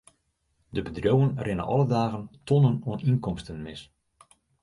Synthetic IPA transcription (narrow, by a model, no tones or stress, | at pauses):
dəbədrowənrɪnə̰ʔɔ̰lˠədaːɣəntʰɔnənoəninkɔmstənmɪs